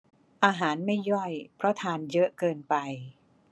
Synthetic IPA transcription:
ʔaː˧ɦaː˩˦nma˥˩jːɔ˥˩jpʰɾɔ˦˥t̪ʰaː˧njɤ˦˥ʔkɤː˧npa˧j

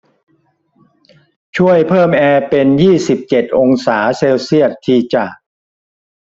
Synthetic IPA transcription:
t͡ɕʰu˥˩əjpʰɤː˥˩mʔɛː˧pe˧njiː˥˩si˨˩p̚t͡ɕe˨˩t̪̚ʔo˧ŋsaː˩˦seː˧wsi˥˩ət̪ʰːiː˧t͡ɕa˨˩

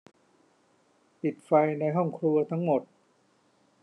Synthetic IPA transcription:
pi˨˩t̪̚fa˧jna˧jɦɔ˥˩ŋkʰɾu˧ɐt̪ʰa˦˥ŋmo˨˩t̪̚

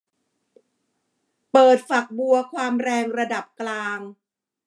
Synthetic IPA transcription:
pɤː˨˩t̪̚fa˨˩k̚bu˧ɐkʰwaː˧mɾɛː˧ŋɾa˧da˨˩p̚klaː˧ŋ

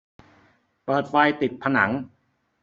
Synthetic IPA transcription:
pɤː˨˩t̪̚fa˧jt̪i˨˩t̪̚pʰa˧na̰˩˦ŋ

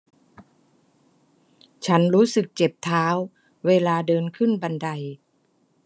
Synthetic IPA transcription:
t͡ɕʰa˦˥nɾuː˦˥sɯ˨˩k̚t͡ɕe˨˩p̚t̪ʰaː˦˥wː | eː˧laː˧dɤː˧nkʰɯ˥˩nba˧nda˧j

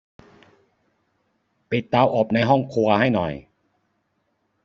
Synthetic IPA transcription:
pe˨˩t̪aː˧wʔɔː˨˩p̚na˧jɦɔ˥˩ŋkʰu˧ɐha˥˩jnɔ̰˨˩j

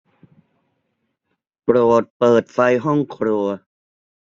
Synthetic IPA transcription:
pɾoː˨˩t̪̚pɤː˨˩t̪̚fa˧jɦɔ˥˩ŋkʰɾu˧ɐ

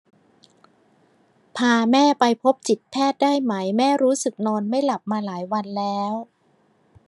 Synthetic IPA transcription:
pʰaː˧mɛː˥˩pa˧jpʰo˦˥p̚t͡ɕi˨˩t̪̚pʰɛː˥˩t̪̚daː˥˩jma˦˥jmɛː˥˩ɾuː˦˥sɯ˨˩k̚nɔː˧nma˥˩jla˨˩p̚maː˧laː˩˦jwa˧nlɛː˦˥w

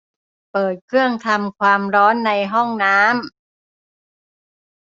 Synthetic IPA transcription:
pɤː˨˩t̪̚kʰɾɯ˥˩əŋt̪ʰa˧mkʰwaː˧mɾɔː˦˥nːa˧jɦɔ˥˩ŋnaː˦˥m

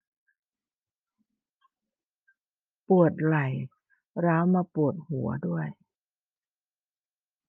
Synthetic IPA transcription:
pu˨˩ət̪̚la˨˩j | ɾaː˦˥wmaː˧pu˨˩ət̪̚hu˩˦ɐdu˥˩əj

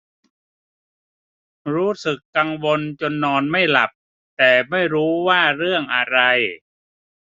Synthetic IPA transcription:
ɾuː˦˥sɯ˨˩kːa˧ŋwo˧nt͡ɕo˧nːɔː˧nma˥˩jla˨˩p̚ | t̪ɛː˨˩ma˥˩jɾuː˦˥waː˥˩ɾɯ˥˩əŋʔa˧ɾa˧j

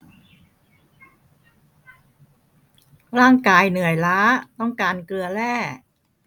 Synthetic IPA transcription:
ɾaː˥˩ŋkaː˧jnɯ˨˩˦əjlaː˦˥t̪ɔ˥˩ŋkaː˧nklɯ˧ɐlɛː˥˩

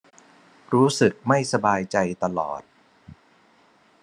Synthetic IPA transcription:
ɾuː˦˥sɯ˨˩k̚ma˥˩jsa˧baː˧jt͡ɕa˧jt̪a˧lɔ̰ː˨˩t̪̚

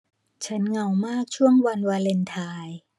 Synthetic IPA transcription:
t͡ɕʰa˦˥nŋa˧wmaː˥˩k̚t͡ɕʰu˥˩əŋwa˧nwaː˧le˧nt̪ʰaː˧j

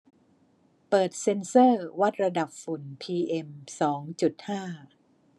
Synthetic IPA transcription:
pɤː˨˩t̪̚se˧nsɤː˥˩wa˦˥t̪̚ɾa˧da˨˩p̚fu˩˦npʰiː˧ʔe˧msɔː˩˦ŋt͡ɕu˨˩t̪̚haː˥˩

